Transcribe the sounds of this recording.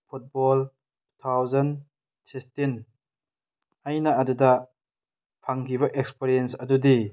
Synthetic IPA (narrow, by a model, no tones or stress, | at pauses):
pʰut̚bɔl | tut̪ʰawzɐn | sikstin | ɐjnɐːdudɐ | pʰaŋkiβɐʔekspeɾijensɐdudi